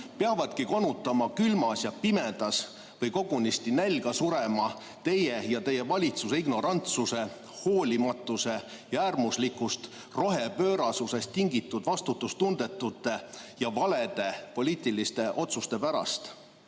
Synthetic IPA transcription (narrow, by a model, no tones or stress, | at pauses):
peɑvɑd̪̥kiko̞nːut̪ːˑɑmɑkylmɑsjɑpimed̪̥ɑs | vɤjko̞ɡ̥unist̪inælʲɡɑsuɾe̞mɑ | t̪e̞jejɑt̪e̞je̞vɑlʲit̪suseiɡno̞ɾɑnt̪suse̞ | ho̞ːlʲimɑt̪ːˑuse̞ | jɑæːrmuslikːˑust̪ | ro̞ɦe̞pø̞ːɾɑsuse̞st̪ːiŋɡit̪ːˑud̪̥vɑst̪ut̪ːˑust̪und̪̥e̞t̪ːˑut̪ːˑe̞jɑvɑle̞d̪̥e̞po̞lʲiːt̪ˑilist̪e̞ʔo̞t̪sust̪e̞pæɾɑ̰st̪